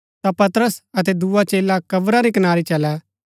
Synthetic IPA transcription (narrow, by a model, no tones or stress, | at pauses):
t̪apɐt̪əɾəsɐt̪̬ɛd̪uːat͡ʃeːlakɐbɾaɾikɐnaːɾit͡ʃɐlɛ